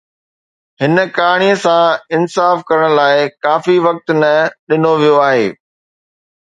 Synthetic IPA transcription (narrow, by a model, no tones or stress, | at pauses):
ɦɪnə̆kaːɽ̃iəsãɪnsaːfkɐɾəɽ̃laːɪkaːfiʋɐk̚t̪nɐɗɪnoʋijoaːɦḛː